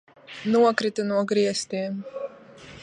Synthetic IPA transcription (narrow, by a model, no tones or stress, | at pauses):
nuɔkɾit̪unuɔɡɾiɛst̪iɛm